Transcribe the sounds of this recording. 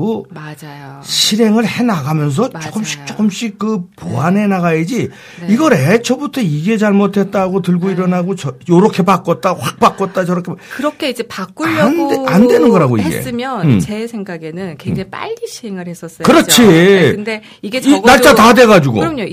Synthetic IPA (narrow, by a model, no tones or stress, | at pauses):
omad͡ʑajoɕʰiɾe̞ŋɯɾhe̞naɡamjʌns̬ʰʌt͡ɕ͈ok͈ɯmɕ͈i̥k̚t͡ɕ͈ok͈ɯmɕ͈ikɯpo̰ane̞naɣaed͡ʑi | iɡʌɾet͡ɕʰʌbutʰʌiɡe̞t͡ɕaɭmotʰe̞t̚t͈aɡotɯɭɡoiɾʌnaɡot͡ɕʌjoɾʌkʰe̞pak͈ʌt̚t͈aɸwak̚p͈ak͈ʌt̚t͈at͡ɕʌɾʌkʰekɯɾʌkʰeid͡ʑe̞pak͈uʎnandwe̞nɯnɡʌɾɦaɡoḭɡeḛɯmjʌnt͡ɕe̞sʰeŋɡaɡe̞nɯnkwed͡ʑaŋp͈a̰ʎɡiɕʰiɾeŋɯɾhes͈ʌs͈ʌkɯɾʌt͡ɕʰiɯnde | iɡenaɭt͡ɕ͈atadwe̞ɣad͡ʑuɡo̰ɾʌmɲo